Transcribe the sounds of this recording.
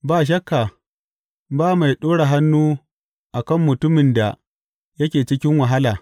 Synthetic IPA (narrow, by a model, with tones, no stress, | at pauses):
baː˨ʃ̬ɐ˦kːa˨ | baː˦ma˨jɗoː˦ɽa˨ɦa˦nːuː˦ | ʔa˨kɐ˦˨mːʊ˨tʊ˦mɪ˨nda˨ | jɐ˦kʲeː˨t͡ʃɪ˦kʲɪ˦ŋwa˨ɦa˦laː˨